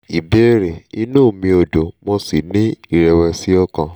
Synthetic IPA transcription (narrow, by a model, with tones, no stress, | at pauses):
i˨be˦ɾe˨i˧nũː˦˨mĩ˧o˨do˨mõ˧si˨nĩ˦i˦˨ɾɛ˧wɛ˧si˦ɔ˦˧kã˧˨